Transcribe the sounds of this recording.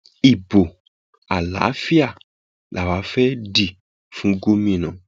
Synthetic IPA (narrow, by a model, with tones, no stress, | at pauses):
i˨bo˨ | a˨la̰˨˦fi˦a˦˨ | lʔa˨wa˨˦fɛ˦di˨ | fũ˦ɡo˦mĩ˦˨nã˨